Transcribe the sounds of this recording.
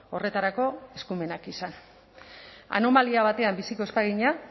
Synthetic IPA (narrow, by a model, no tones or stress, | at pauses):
o̞re̞t̪aɾako̞e̞skume̞nakisan | a̰no̞maliaβ̞at̪e̞ambisiko̞e̞spaɣ̞iɲa